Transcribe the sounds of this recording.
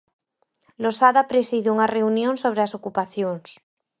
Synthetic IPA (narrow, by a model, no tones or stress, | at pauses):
losaðapɾesiðuŋareunjõnsoβ̞ɾeasokupaθjoŋs